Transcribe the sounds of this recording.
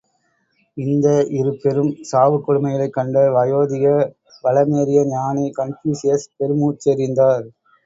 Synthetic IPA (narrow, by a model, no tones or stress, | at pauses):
ɪnd̪ɐʔɪɾɯpːɛɾɯmsaːʋɯkːɔɽɯmɐjɐlɐɪkːɐɳɖɐʋɐjoːðɪjɐ | ʋɐɭɐmeːɾɪjɐɲaːnikɐɳpiːsɪjɐspɛɾɯmuːt͡ʃːɐɾɪnd̪aːɾ